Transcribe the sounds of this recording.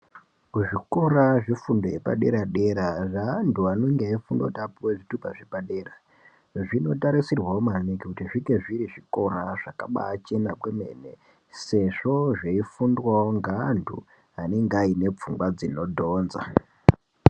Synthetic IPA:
kuʐiko̞ɾaʐifundo̞je̞pa̰ɗe̞̰ɾaɗe̞ɾaʐanduano̞ŋɡeaifundo̰otapuweʐitupaʐepaɗe̞ːra | ʐino̞taɾisirwaomanekikutiʐiŋɡe̞ʐiɾiʐiko̞raʐ̥akaɓa̰ːt͡ʃe̞nakweme̞̰ne̞̰ | se̞ʐo̞ʐeifundwaoŋɡandʰṵ | ane̞ŋɡaine̞p͡fuŋɡwad͡zino̞dʱo̞ːnza̰

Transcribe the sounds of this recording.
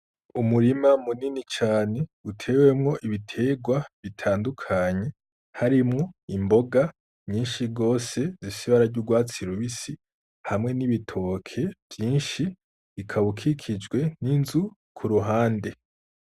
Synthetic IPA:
umuɾimamuninit͡ʃaːne̞utʰe̞ːwemŋo̞ʔiβitʰe̞ːɡwaβitʰaːndukʰaɲe̞ | haɾimŋo̞imbo̞ɡa | ɲiːnʃiɡo̞ːse̞zisiβaɾaɾɟuɡwaːt͡siɾuβisi | hamŋe̞niβitʰo̞kʰe̞v̥jiːnʃi | βikʰaβukʰikʰid͡ʒɡwe̞ninzu | kʰuɾuɦaːnde̞

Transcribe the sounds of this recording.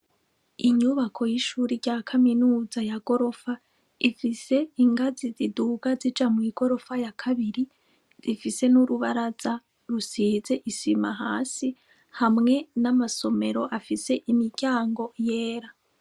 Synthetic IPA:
iɲuβakʰo̞jiʃuːɾiɾɟaːkʰaminuːzajaɡ̥o̞ɾo̞fa | ifise̞iŋɡaziziduɡ̥azid͡ʒamwiːɡ̥o̞ɾo̞fajakʰaβiɾi | z̥ifise̞nuɾuβaɾaz̥a | ɾusize̞ʔisimaɦaːsi | hamŋe̞namaso̞me̞ɾo̞ʔafise̞ʔimiɟaːŋɡo̞jeːɾa

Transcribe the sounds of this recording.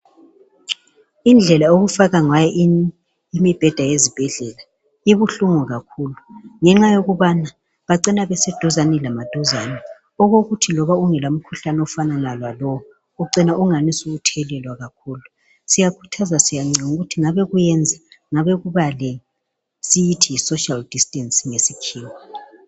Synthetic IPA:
ind͡ɮʱɛlaoɣufaɣaŋajɛʔ | imib̥ʱɛd̥ʱajezib̥ʱɛɮɛla | iβuɬuŋuɣakʰuːluŋɛŋ͡ǁajoɣuβana | βaǀɛnaβɛsɛd̥ʱɔzanɛlamad̥ʱɔzaːnɛ | ɔɣoɣutʰilɔβauŋɛlam̩kʰuɬanɔfananalwalɔɔ | ɔǀinaʔuŋanisuɣutʰɛlɛlwaɣakʰuːlu | sijakʰu̥tʰazasijaŋ͡ǀiŋuɣutʰiŋaβɛɣujɛnd͡zʱaŋaβɛɣuβalɛ | sijitʰiisoʃald̥istʼɛnsiŋesikʰiːmɔ

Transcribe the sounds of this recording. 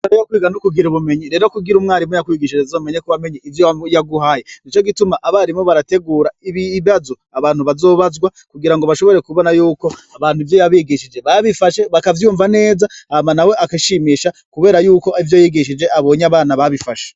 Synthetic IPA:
oɾejakwiːɡanukuɡiɾuβume̞ɲiɾe̞ːɾo̞kuɡiɾumŋaːɾimŋojakwiːɡiʃid͡ʒezaume̞ɲekuβame̞ɲiivjojaɡuɦajenit͡ʃoɡitumaʔaβaɾimŋoβaɾate̞ɡuːɾaiβiβazoaβaːn̥huβazo̞ːβazɡwakuɡiɾaŋɡoβaʃo̞βo̞ɾe̞kuβo̞najuːko̞aβaːnhuivjo̞jaβiːɡiʃid͡ʒe̞βaβifaʃe̞βakavjuːɱvane̞ːzaamanawe̞ʔakiʃiːmiːʃakuβe̞ːɾajuːko̞ivjojiɡiʃid͡ʒe̞ʔaβo̞ɲaβaːnaβaβifaʃe̥

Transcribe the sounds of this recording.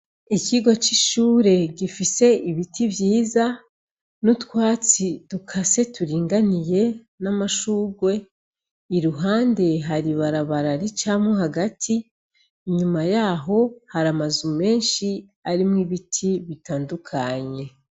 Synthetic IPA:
iciɡwot͡ʃiʃuːɾe̞ɟifise̞iβitʰiβjiːza | nutkwaːt͡sidukʰase̞tuɾiːŋɡanije̞ | namaʃuːɡwe̞ | iɾuɦaːnde̞ɦaɾiβaɾaβaɾaɾit͡ʃamoɦaɡatʰiː | ɲumajaːɦo̞haɾamazume̞ːnʃi | aɾimŋiβitʰiβitaːndukʰaɲe̞

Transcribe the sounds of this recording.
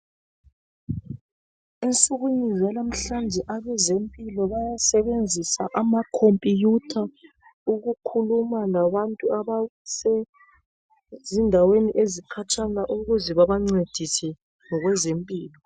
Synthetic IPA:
int͡sʼuɣuɲizɛlam̩ɬand͡ʒʱɛʔaβɛzempʼilɔβajasɛβend͡zʱisaʔamakʰompʼijutʰa | uɣukʰulumalaβantʼuaβasɛ | zindʱaweniʔezikʰat͡ʃʰʼaŋaʔuɣuzɛβaβaŋ͡ǀed̥ʱisɛ | ŋɔɣwɛzempʼiːlɔ

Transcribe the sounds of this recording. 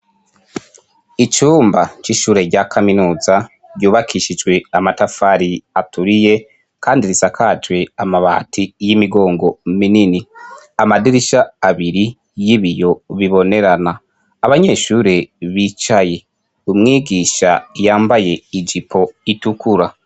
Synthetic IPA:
it͡ʃuːmbat͡ʃiʃuːɾe̞ɾɟakʰaminuːza | ɾɟuːβakʰiʃid͡ʒɡwe̞amatafaɾiatʰuɾije̞ | kaːndiɾisakʰad͡ʒwe̞amaβa̰tʰijimiɡo̞ːŋɡo̞minini | amadiɾiʃaːβiɾi | jiβijo̞βiβo̞neɾanaː | βaɲe̞ːʃuːɾe̞βit͡ʃaje̞ | umŋiːɡiːʃajaːmbaje̞id͡ʒipʰo̞itukʰuɾa

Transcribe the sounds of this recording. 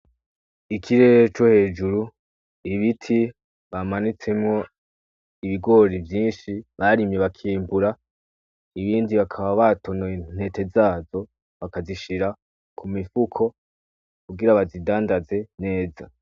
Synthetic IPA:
ikʰiɾe̞ɾet͡ʃo̞he̞ːd͡ʒuɾu | iβitʰi | βamanit͡se̞mŋo̞ | iβiɡo̞ɾivjiːnʃiβaɾimje̞βakʰiːmbuɾa | iβiːndiβakʰaβaβatʰo̞non̥he̞te̞zaːzo̞ | βakaziʃiɾa | kʰumifukʰo̞ | kuɡiɾaβazidaːndaze̞ne̞ːza̰

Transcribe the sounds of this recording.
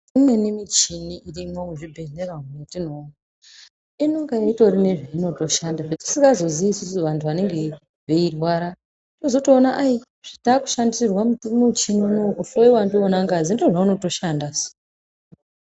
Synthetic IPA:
imwe̞nimit͡ʃiniirimwokuʐibʱe̞ɮeraunetino̞na | inoŋɡaeito̞ɾine̞ʐaino̞to̞ʃandaʐati̥siŋɡazo̞ziiːsusuʋantʰuʋane̞ŋɡe̞ | ʋeirwaːɾa | inozo̞toːnaʔai | ʐ̥itaːku̥ʃandisirwamutumut͡ʃininoufoiwandionaŋɡazindoʐauno̞to̞ʃandaso̥

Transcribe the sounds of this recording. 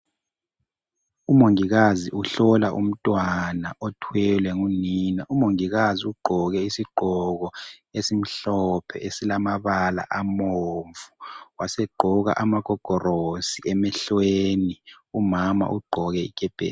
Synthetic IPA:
umoŋiɣaziʔuɬɔlaʔṵm̩tʼwanaʔɔtʰwɛlwɛŋuninaʔumoŋiɣaziuɡ͡ǃʱɔɣɛisiɡ͡ǃʱɔɣɔesim̩ɬɔpʰɛ̰ʔesilamaβala̰ʔamoɱvuwasɛɡ͡ǃʱɔɣa̰ʔamaɡ̥ʱɔɡ̥ʱɔrosiɛmɛɬweːni | umama̰ʔuɡ͡ǃʱɔɣɛik̬ʰʼɛb̥ʱḛːl

